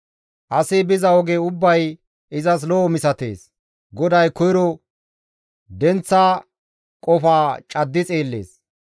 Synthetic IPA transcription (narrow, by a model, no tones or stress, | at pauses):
ʔɐsɪbɪzɐɔɡeʊbːɐj | ɪzɐs̬lɔːmɪsɐt̪ḛːs | ɡɔd̪ɐjkɔjɾɔ | d̪ɛnt͡sːaː | kʼɔfaːt͡ʃʼɐd̪ːɪt͡sʼeːlːe̞̰ːs